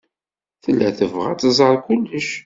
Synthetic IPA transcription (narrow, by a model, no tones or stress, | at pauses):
θəlːæθəvʁæ̰t͡sːəzˤəɾˤkʊlːəʃ